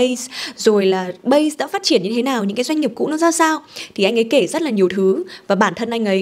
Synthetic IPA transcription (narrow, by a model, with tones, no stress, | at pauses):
ə˧jszo˨˩jlaː˨˩ɓə˧jsɗa̰ː˧˥faː˦˥t̚t͡ɕi˧˩ənɲɨ˧t̪ʰe˨˦naː˨˩wɲɨ̰˧˥kaː˨˦jza˧ŋ̟i˨˩p̚kṵ˧˥nɔ˨˦zaː˧wsaː˧wt̪ʰi˨˩ʔa˧jŋ̟ʔə˨˦jke˧˩zə˦˥t̚laː˨˩ɲi˨˩əwt̪ʰɨ˨˦vaː˨˩ɓaː˧˩nt̪ʰə˧nʔa˧jŋ̟ʔə˨˦j